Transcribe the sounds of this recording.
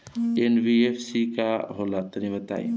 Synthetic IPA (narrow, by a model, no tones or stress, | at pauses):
enbiepʰsikaɦolat̪əɾĩbət̪a̰ːḭ